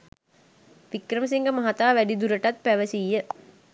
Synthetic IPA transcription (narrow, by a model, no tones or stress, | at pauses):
ʋikrəməs̬iŋɡəmaɦat̪aːʋæɖid̪uɾəʈat̪̚pæʋəsijːə